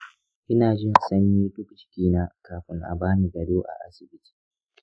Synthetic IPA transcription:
ʔɪ˦naː˨d͡ʒɪ˦˨nsɐ˦ɲjiː˦ɗʊ˦kt͡ʃɪ̥˦kʲiː˦na˦kaː˨ɸɪ˦ŋʔa̰˨baː˦niː˨ɡɐ˨doː˦ʔa̰˨ʔa̰˦sɪ˨bɪ˦tʰi̥ː˨

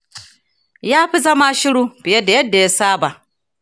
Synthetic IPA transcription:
jaː˦ɸi˦zɐ˦ma˦ʃɪ˦ɽuː˦b̥ɪ˨jɐ˦da˨jɐ˦dːa˨ja˦saː˦ba˨ʔ

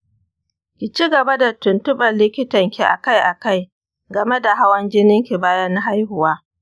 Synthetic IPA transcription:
kʲi˨t͡ʃi˦ɡɐ˨ba˦da˨tʊ˨ntʊ˦bɐ˨nlɪ˦kʲɪ˦tɐ˨ŋkʲi˨ʔa̰˨ka˦jʔa˨ka˦j | ɡɐ˨me˦da˨ɦa˦wɐ˦nd͡ʒɪ˦nɪ˦ŋkʲi˨baː˦jɐ˦nːa˦ɦa˦jhʊ˨waː˦

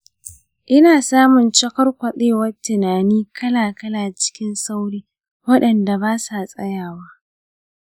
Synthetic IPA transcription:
ʔɪ˦naː˨saː˦mʊ˨nt͡ʃɐ˦kɐ˦rkʷɐ˨ɗeː˦wɐ˦rtːɪ˨naː˨niː˦kʰɐ˦laː˨kɐ˦laː˨t͡ʃɪ̥˦kʲɪ˦nsa˦wɽiː˦ | wɐ˦ɗɐ˨nda˨baː˦sa˨sʼɐ̰˦jaː˨waː˦

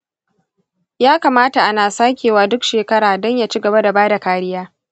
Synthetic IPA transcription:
jaː˦kaː˨maː˦ta˨ʔa˦naː˨saː˦kʲeː˨waː˦dʊ˦kʃeː˨kɐ˦ɽaː˨dɔ˦ɲja˨t͡ʃi˦ɡɐ˨ba˦da˨baː˦da˨kaː˨ɽɪ˦jaː˦

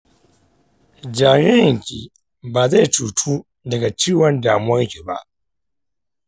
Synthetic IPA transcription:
d͡ʒaː˨ɲɪ˦ɪ˨ŋkʲi˨ | baː˨za˦˨tuː˨tʰuː˦ | dɐ˨ɡa˨t͡ʃiː˦wɔ˦ndaː˨mʊ˦wɔ˦ŋkʲi˨ba̰˦ʔ

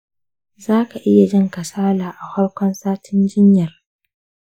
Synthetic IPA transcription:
zaː˦ka˨ʔɪ˦ja˨d͡ʒɪ˦ŋkɐ˨saː˦laː˨ʔa˨hʷɐ˦ɽkʷɔ˦nsaː˦tʰɪ˦nd͡ʒɪ˦ɲjɐ˨r

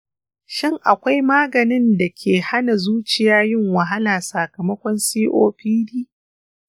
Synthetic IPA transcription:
ʃɪ˦ŋʔa˨kʷa˦jmaː˦ɡɐ˨nɪ˦nda˨kʲʰeː˨ha˦na˨zuː˦t͡ʃɪ˨jaː˦jɪ˦ŋwɐ˨ɦa˦laː˨sa˨kɐ˨mɐ˦kʷɔ˦nsiː˦ʔoː˦ɸiː˦diː˦

